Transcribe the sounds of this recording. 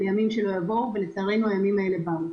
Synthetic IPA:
ejamimʃe̞lo̞javo̞ʁve̞let͡saːʁe̞nuajamimae̞le̞bam

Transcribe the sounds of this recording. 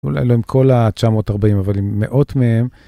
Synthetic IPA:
ṵla̰jloimkʰo̞lat͡ʃamo̞ːtaʁbaimavalimːḛʔo̞tmeem

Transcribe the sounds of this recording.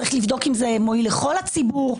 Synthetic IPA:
aʁiχlivd̪o̞kimzemoileχo̞lat͡sibuʁ

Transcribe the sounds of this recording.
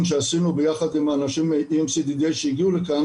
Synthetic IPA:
nʃeasinubejaχad̪imaːnaʃimːeʔimsid̪id̪ejʃejiɡiulekan

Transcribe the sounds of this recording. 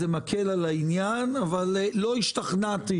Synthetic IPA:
emakʰelalainjanavalːo̞iʃt̪aχnat̪i

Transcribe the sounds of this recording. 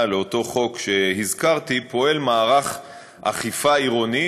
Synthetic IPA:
leot̪o̞χo̞kʃe̞hizkaʁt̪ipo̞e̞lmaːʁaχ | ʔa̰χifaiʁoni

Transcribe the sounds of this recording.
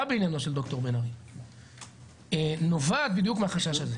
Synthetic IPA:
abeinjano̞ʃeld̪o̞kt̪o̞ʁbenaʁi | enovad̪̚bid̪jukmeaχaʃaʃaze

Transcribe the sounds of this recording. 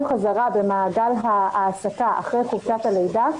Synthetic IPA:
χazaʁabe̞maːɡalɦaːsakaʔa̰χʁejχovʃat̪hale̞jda

